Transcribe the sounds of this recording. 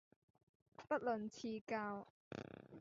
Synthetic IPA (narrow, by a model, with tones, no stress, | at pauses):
pɐ˥t̚lɵ˨nt͡sʰiː˧kaː˧w